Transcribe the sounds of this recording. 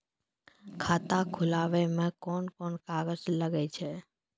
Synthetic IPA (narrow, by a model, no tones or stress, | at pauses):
kʰaːt̪akʰʊlaʋemẽkɔnkɔːnkaːɡəsləɡɛt͡ʃʰe